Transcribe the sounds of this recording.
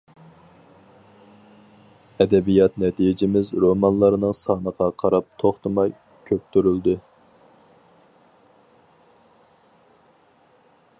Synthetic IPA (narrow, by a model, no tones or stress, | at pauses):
ɛd̪ɛbijɑt̪nɛt̪ʰijɪd͡ʒɪmɪzɾomɑnlˠɑɾnɨŋsɑːnəqʰɑqʰɑɾɑp̚t̪ʰoχt̪ɨmɑj | kʲʰøp̚t̪ʰyɾyld̪ɨ